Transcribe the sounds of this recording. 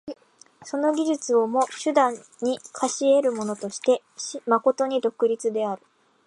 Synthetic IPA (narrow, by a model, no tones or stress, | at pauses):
so̞no̞ɡʲiʑɨt͡sɨo̞mo̞ɕɨd̪ãɲːikʰaɕie̞ɾɯ̟mo̞no̞t̪o̞ɕi̥t̪e̞ | ɕimako̞t̪o̞ɲ̟id̪o̞kɯ̟ɾʲit͡sɨd̪e̞aɾɯ̟